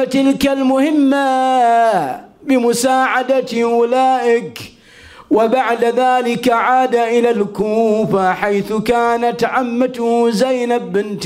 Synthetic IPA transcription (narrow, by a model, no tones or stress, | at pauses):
t̪ɪlkalmʊhɪmːa | bɪmʊsaːʕad̪at̪ʔʊlaːʔɪk | wabaʕd̪aðaːlɪkaʕaːd̪aʔɪlalkuːfaħajθʊkaːnat̪ʕamːat̪ʊhzajnabɪnt̪